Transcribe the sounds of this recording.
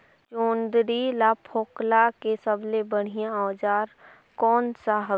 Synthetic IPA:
t͡ʃoːnd̪ɾilapʰoːklakesəblebəɽ̤ijãaːd͡ʒaːɾ | kɔːnsaɦə

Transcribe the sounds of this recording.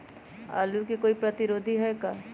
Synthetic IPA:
a̰ːlukikoːipɾɐt̪ɪɾoːd̪ʱiɦɛkaː

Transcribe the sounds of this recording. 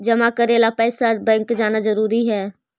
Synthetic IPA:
d͡ʒɐmakəɾeːlapɛːsabɛ̃ːŋkd͡ʒaːnazəɾuːɾiɦɛː

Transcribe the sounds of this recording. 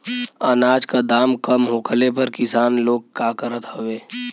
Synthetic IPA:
ənaːd͡ʒkad̪aːmkəmɦokʰəlepɐɾkɪsaːnloːɡ̚kaːkəɾət̪ɦoʋeː

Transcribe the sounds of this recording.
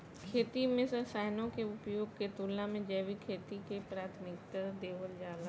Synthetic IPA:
kʰeːt̪imẽsəsaːɦnõkeʊpjoːɡket̪uːlãmẽd͡ʒɛːʋikʰeːt̪ikepɾaːt̪ʰmɪkt̪əɾd̪eːʋəld͡ʒaːla

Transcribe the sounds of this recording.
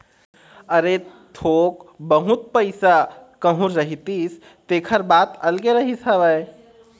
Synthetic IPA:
əɾet̪ʰokbəɦut̪̚pəɪsakəɦũɾəɦit̪is | t̪ekʰəɾbat̪əlɡeɾəɦisɦəbəj

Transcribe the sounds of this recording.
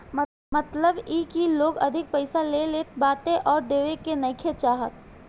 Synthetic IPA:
m | mɐt̪ləbiːkiloːɡɐd̪ʱɪk̚pɐɪsaleːleːt̪baːt̪ẽʔɔːɾd̪eːʋekenɐɪkʰet͡ʃaːɦət̪̚

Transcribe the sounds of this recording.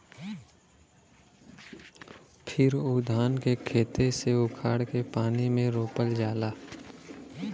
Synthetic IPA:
pʰɪɾʊd̪ʱaːnkekʰeːt̪eseʊkʰaːɽkepaːnimẽɾoːpəld͡ʒaːlaː

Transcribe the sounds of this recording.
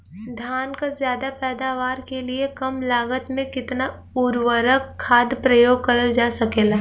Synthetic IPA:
d̪ʱaːnkazjaːd̪apɛːd̪aːʋaːɾkeliekɐmlaːɡət̪mẽkɪt̪na | ʊɾʋəɾəkʰːaːd̪pɾəjoːɡ̚kɐɾəld͡ʒaːsɐkeːlaː

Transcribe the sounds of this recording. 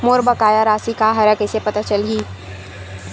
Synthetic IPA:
moːɾbɐkaːjaɾaːsikaɦɐɾakesepɐt̪at͡ʃɐlɦiː

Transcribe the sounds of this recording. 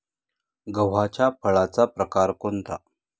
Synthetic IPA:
ɡəʋ̤at͡ɕapʰəɭat͡sapɾəkaɾkont̪a

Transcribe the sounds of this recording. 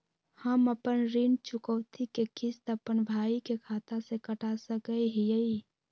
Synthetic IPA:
həməpənɾint͡ʃʊkəwt̪ʰikekist̪əpənbʱaːikekʰaːt̪asekəʈʰasəkəɦijəi

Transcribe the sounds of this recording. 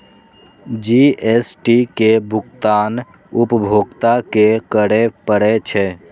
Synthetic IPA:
d͡ʒiesʈikebʱʊkt̪aːn | ʊpəbʱoːɡt̪akekəɽepəɽet͡ʃʰɛ

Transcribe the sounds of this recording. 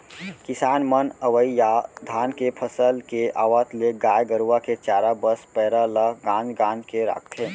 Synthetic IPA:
kɪsaːnmənəʋəijad̪ʱaːnkepʰəsəlkeʔaːʋat̪ʰleɡaːjɡəɾuwaket͡ʃaːɾabəspɛːɾaləɡãːnd͡ʒɡãːnd͡ʒkeɾa̰ːk̚ʰt̪ʰeː

